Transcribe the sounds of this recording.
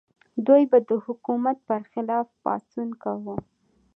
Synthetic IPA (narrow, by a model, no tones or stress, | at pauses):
d̪ujbad̪əhʊkumat̪̚pəɾxɪlɑfpɑ̰sunkawu